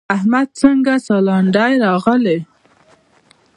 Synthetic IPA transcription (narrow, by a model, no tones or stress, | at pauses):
ahmad̪̚t͡səŋɡasɑlɑɳɖajɾɑɣəle